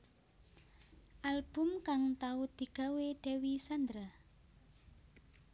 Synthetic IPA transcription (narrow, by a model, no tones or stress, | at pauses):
ʔalb̥ʊ̤mkaŋt̪aud̪̥i̤ɡ̥a̤weɖ̥e̤wisand̪ɾa